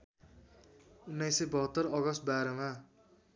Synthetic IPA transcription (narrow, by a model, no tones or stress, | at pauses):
unːʌjsʌbʌɦʌt̪ːʌrʌɡʌst̪̚baɾʌma